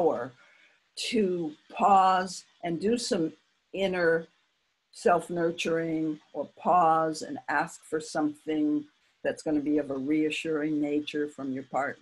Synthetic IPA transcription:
ə˞ | ɾɨpʰɔzʔɨ̃ndɨsʌ̃m | ɪ̃nə˞ | sɛlˠfnɜ˞t͡ʃə˞ɪ̃ŋʔə˞pʰɔzɨ̰̃næskfə˞sʌ̃mθɪ̃ŋ | ðɨtsɡ̥ʌnɨbiʌvəɹiɨʃʊɹɪ̃ŋneɪt͡ʃə˞fɹʌ̃mjə˞pʰɑɹtⁿ

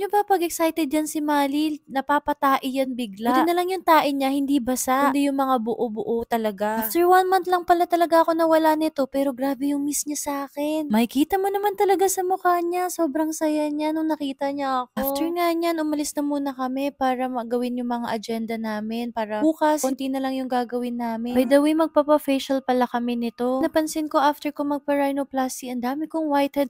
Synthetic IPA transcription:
ɲobɐpɐɡɛksajt̪ɛd̪̚d͡ʒansɪmaːlinɐpaːpɐt̪aːʔɪjɐnbiɡlad̪ɪnɐlɐŋjʊŋt̪aːʔɪɲahɪnd̪ibɐsaʔʔ̪nʔd̪ijʊŋmɐŋabʊʔobʊʔo̞t̪ɐlɐɡaaft̪ɛɹwanmant̪lɐŋpɐlat̪ɐlɐɡaʔɐko̞nɐwɐlanɪt̪o̞pɛːɾo̞ɡɾaːbɛjʊŋmisɲasʔaːkɛnmɐjkiːt̪ɐmonɐmant̪ɐlɐɡasɐmʊkaɲaso̞ːbɾɐŋsɐjaɲanoŋnɐkiːt̪ɐɲaʔɐkaoft̪ɛɹŋaɲanʔʊmɐlɪsnɐmuːnɐkɐmɛpaːɾɐmɐɡɐwɪnjʊŋmɐŋaʔɐd͡ʒɛnd̪ɐnaːmɪnpaːɾɐuːkɐsont̪inɐlɐŋjʊŋɡaːɡɐwɪnːaːmɪbɐjd̪ɐwejmɐɡ̚papɐfɛjʃɐlpɐlakɐmɛnɪt̪o̞nɐpɐnsɪnko̞ʔaft̪ɛɹkoŋmɐɡ̚pɐɹajnoplasiʔɐnd̪aːmɪkoŋwajt̪hɛd̪̚

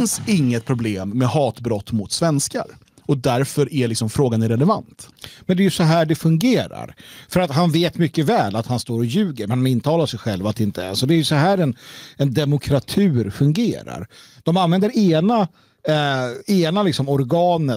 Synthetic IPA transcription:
ɪnsɪŋːət̪̚pʰɾʊbleːmːɛhɑːt̪bɾɔt̪ːmʊt̪svɛnska̰ɾ | ɔd̪æɾfœɾʔælɪksɔmfɾoːɡanɾɛlɛva̰nt̪mɛnd̪ɛæɾjɵsɔɦæːɖɛfɵŋɡeːɾa̰ɾfœɾat̪ɦanveːt̪mʏkːəvɛːlat̪hanst̪oːɾɔjʉ̟ːɡəɾmɛnh̪anɪnt̪ʰɑːlaʂɛjɧɛlvat̪̚d̪ɛɪnt̪ə̰sɔd̪ɛæjɵsɔɦæːɾɛnɛnd̪ɛmʊkʰɾat̪ʰʉ̟ːɾfɵŋɡeːɾa̰ɾd̪̥ɔmanvɛnd̪əɾeːna | eːnalɪksɔmɔɾɡɑːnə

